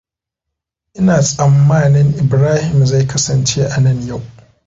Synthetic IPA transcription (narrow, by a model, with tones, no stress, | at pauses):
ʔɪ˦naː˨sʼɐ˨mːaː˦nɪ˦ŋʔɪ˨bɾaː˦hɪ˨mza˦˨jkɐ˦sɐ˨nt͡ʃeː˦ʔa˨nɐ˦˨ɲja˦˨w